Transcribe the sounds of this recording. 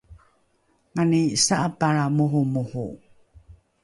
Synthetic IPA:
ŋanisaʔapaɾamuɦumuhṵ

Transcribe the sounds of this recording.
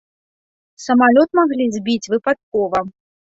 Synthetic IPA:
sɐmalʲɔt̪̚maɣlʲizʲbʲit͡sʲvɨpat̪̚kɔvɐ

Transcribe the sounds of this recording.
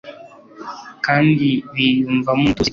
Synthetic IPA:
kandiwijuɱvamutu

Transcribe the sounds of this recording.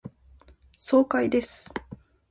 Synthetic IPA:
so̞ːkaid̪e̞sɨ̥

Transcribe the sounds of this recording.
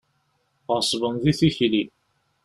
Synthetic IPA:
ʁəsˤvənðiθiçli

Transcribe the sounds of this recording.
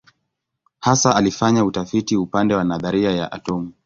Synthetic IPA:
hasaʔalifaɲautafitiupandɛwanaðaɾiaja̰ʔa̰tɔmu

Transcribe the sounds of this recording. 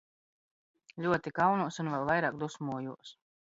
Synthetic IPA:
lʲuɔt̪ikawnuɔsunvɛlˠvajɾaːkd̪usmuɔjuɔs

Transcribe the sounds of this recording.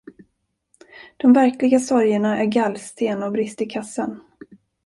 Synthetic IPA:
d̪̥ɔmvæɾklɪɡasɔɾjəɳaʔæɾɡalst̪ʰeːnɔbɾɪst̪ɪkʰasːən

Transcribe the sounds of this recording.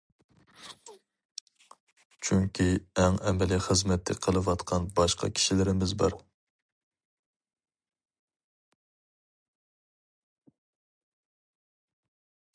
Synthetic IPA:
t͡ʃʰyŋkʲʰiɛŋɛmɛliχəzmɛt̪ʰːɪqʰəlˠɨwɑt̪qʰɑnbɑʃqʰɑ̰kʲʰi̥ʃilɪɾɪmɪzbɑ̰ɾ

